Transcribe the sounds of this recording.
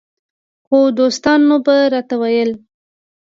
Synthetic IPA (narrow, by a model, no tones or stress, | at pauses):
xod̪ost̪ɑnːubaɾɑt̪awajəl